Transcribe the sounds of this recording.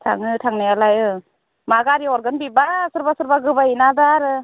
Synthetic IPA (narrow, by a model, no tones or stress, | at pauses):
tʰa̰ŋɯtʰaŋnajalajɯ | maɡaɾiɔɾɡɯnbibasɯɾbasɯɾbaɡɯbainadaɾɯ